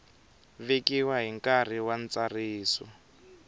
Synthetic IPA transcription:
βekiwaɦiŋkar̤iwant͡sariːsɔ

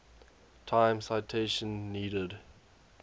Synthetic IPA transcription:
tʰãɪ̃msaɪtʰeʃə̃nːiːɾəd

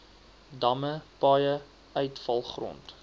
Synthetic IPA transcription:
dɐməpɑːjə | œɥtfɐlˠχrɔ̰nt

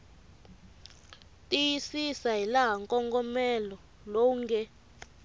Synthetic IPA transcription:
tʼijisisaɦilaɦaŋkʼɔŋɡɔmɛlɔ | lɔŋɡɛ

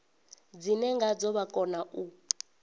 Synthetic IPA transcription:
d͡zinɛŋɡad͡zɔβakʼɔnaʔu

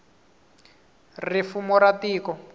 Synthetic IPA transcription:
rifumɔɾatiːkɔ

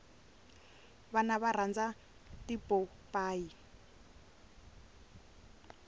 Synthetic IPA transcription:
βanaβar̤and͡za | tipɔ | paːi

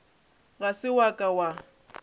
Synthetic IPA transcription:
ɣasɪwakʼawa

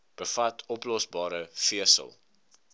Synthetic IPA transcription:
b̥əfɐtʰɔplɔsbɑːɾəfiəsə̰lˠ

